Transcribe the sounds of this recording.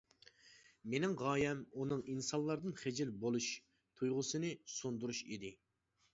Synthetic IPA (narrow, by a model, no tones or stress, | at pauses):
menɪŋʁɑːjɛmunɨŋinsɑnlˠːɑɾd̪ɨnχed͡ʒɪlbolˠuʃ | t̪ʰujʁʊsɨnɨsond̪uɾuʃḭd̪ɪ